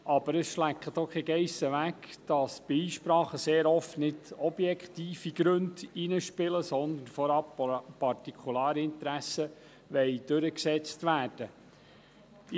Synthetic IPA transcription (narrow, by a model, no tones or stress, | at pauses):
ʔɑb̥əɾəsʃlækχət̪okɛɡɛɪsəʋækd̥ɑsb̥ɪiːʃpɾɑːχəseːɾɔftnɪdɔb̥jɛkχt̪iːfiɡ̥ɾɵndinəʃpɪləsɔnd̪ənfɔɾɑp̚pɑrtikʰulɑːɾiɪnt̪ɾæsə | ʋɛɪd̥ɵɾəksɛt͡stʋæːɾd̥ə